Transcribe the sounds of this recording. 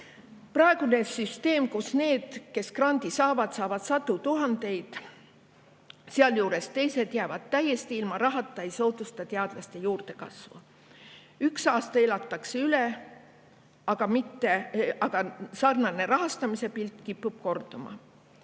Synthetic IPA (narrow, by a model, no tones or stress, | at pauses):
prɑeɡ̥une̞syst̪e̞ːmkusne̞ːd̪̥ke̞skrɑnd̪̥isɑːvɑd̪̥sɑːvɑd̪̥sɑt̪ːut̪uɦɑnd̪̥e̞jd̪̥ | seɑljuːɾe̞st̪e̞jse̞d̪̥jæːvɑd̪̥̚t̪ːæje̞st̪iilmɑɾɑɦɑt̪ːˑɑejso̞ːt̪ust̪ɑt̪eɑd̪̥lɑst̪e̞juːrd̪̥e̞kɑ̰svṵ | yksɑːst̪ɑelɑt̪ːˑɑkseyle | ɑɡ̥ɑmit̪ːe̞ʔɑɡ̥ɑsɑrnɑne̞ɾɑɦɑst̪ɑmise̞pilt̪ˑkipːub̥̚ko̞rt̪omɑ̰